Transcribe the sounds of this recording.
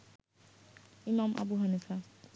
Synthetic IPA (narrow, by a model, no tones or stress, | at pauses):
imamʔa̰buɦʌnesʰa